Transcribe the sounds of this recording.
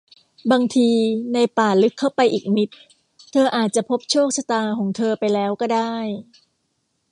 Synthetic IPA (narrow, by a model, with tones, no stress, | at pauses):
baː˧ŋt̪ʰiː˧na˧jpaː˨˩lɯ˦˥kʰːa˥˩wpa˧jʔiː˨˩k̚mi˦˥t̪̚ʰː | ɤː˧ʔaː˨˩t̪̚t͡ɕa˨˩pʰo˦˥p̚t͡ɕʰoː˥˩k̚sa˧t̪aː˧kʰɔː˩˦ŋt̪ʰɤː˧pa˧jlɛː˦˥wkɔː˥˩daː˥˩j